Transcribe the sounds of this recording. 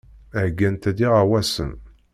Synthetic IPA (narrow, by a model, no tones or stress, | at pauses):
æɡːænt̪æd̪iʁawæsə̰n